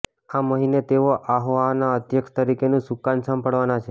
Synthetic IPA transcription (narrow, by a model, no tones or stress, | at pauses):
aməɦinet̪eoʔaɦʋanaəd̪ʱjəkʃt̪əɾikenũsukansəmpəɽʋanat͡ʃʰe